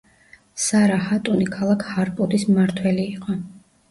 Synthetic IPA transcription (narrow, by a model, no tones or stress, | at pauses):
saɾahat̪ʼunikʰalˠakʰhaɾpʼɔd̪ismaɾt̪ʰwɛliːqʼɔ